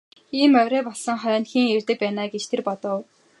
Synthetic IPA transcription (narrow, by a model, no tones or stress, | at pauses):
iːmœɾʲœːpɔɮsə̆ŋχœːnxiːŋert̪ɘ̆k̚pæːnaːɡet͡ɕt̪ʰerpɔt̪ɞ̆w